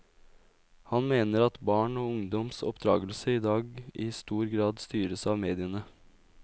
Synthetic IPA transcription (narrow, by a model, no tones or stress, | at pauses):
hɑnmeːnəɾɑt̪bɑːɳoːʊŋd̪ɔmsɔpd̪ɾɑːɡəlsəid̪ɑːɡɪst̪uːɾɡɾɑːd̪st̪yːɾəsɑːʋmeːd̪ɪənə